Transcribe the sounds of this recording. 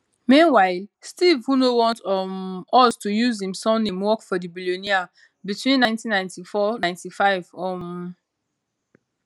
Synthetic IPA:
mĩnwaɪlstivhunowɔ̃ntmɔstujuzhĩmsɔ̃nĩmwɔkfɔdibilionia | bitʰwĩnːãɪ̃ntĩnːãj̃ntifɔnãɪ̃ntifaɪv̥ɔm

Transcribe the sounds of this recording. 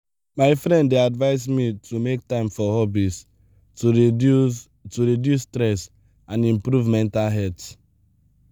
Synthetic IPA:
maɪfɾɛ̃ndeadvaɪsmitʰumek̚tãɪ̃mfɔhɔbis | tuɹidjustɾɛs | ãnĩmpɾuvmɛ̃ntalɦɛt

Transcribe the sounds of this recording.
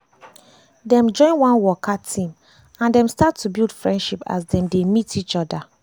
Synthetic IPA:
dɛ̃md͡ʒɔ̃ɪ̃nwãnwɔkʰatʰĩm | ãndɛ̃mstatʰːubilˠd̥fɹɛ̃ndʃipa̰sdɛ̃mdemitit͡ʃɔda

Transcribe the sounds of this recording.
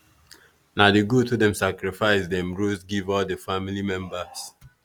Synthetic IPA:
nadiɡutʰudɛ̃msakɹifaɪsdɛ̃mɹusɡivɔldəfamilimɛ̃mbəs

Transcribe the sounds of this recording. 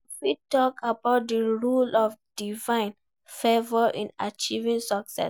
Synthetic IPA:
fitɔkʰabaʊt̚dəɹulɔfd̥ivãɪ̃n | fevɔʔĩna̰t͡ʃivĩŋsɔksɛ̰s

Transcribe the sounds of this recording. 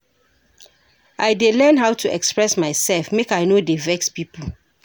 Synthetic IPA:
ʔaɪdelɛ̃nɦaʊtʰuɛkspɹɛsmaɪsɛlfmekaɪnodevɛkspipʰə

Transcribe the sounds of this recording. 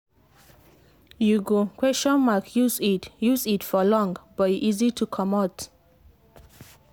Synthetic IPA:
juɡokʰwɛsʃɔ̃nmakʰjuzitjuzitfɔlɔ̃ŋbɔiʔizitʰukʰɔmɔt

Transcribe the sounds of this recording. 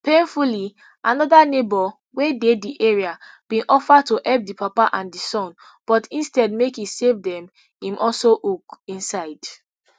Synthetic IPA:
pẽnfuli | ʔanɔðanebɔ | wedediʔeɹiab̥ĩʔɔfad̚toʔɛp̚dipʰapaʔãndisɔ̃n | b̥ɔtĩnstɛd̚mekisevdɛ̃m | ĩmʔɔlsoʔukĩnsaɪd̥

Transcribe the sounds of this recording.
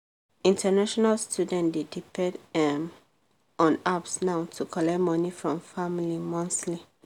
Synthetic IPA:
ĩntanaʃɔnalstʰjudɛ̃ndedipɛ̃dɛm | ɔ̃napsnaʊtʰukʰɔlɛmɔnifɹɔ̃mfamlimɔ̃nsli

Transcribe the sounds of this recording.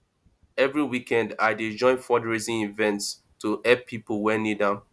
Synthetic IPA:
ɛvɹiwikɛ̃ndaɪded͡ʒɔ̃ɪ̃nfɔdɹizĩivɛ̃nts | tʰuɛpʰːipəlˠwɛnidãn

